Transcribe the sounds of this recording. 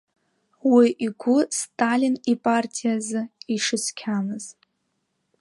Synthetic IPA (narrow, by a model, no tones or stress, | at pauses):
wiʔiɡʷʊstʼalʲinipʼartʰijazɨiʂɨskʲʰamɨz̥